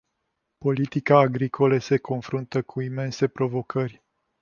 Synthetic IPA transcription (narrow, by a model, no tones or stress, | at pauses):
po̞lit̪ikaːɡɾikʰo̞ləse̞kʰo̞nfɾunt̪əkʰuime̞nse̞pɾo̞vo̞kʰərʲ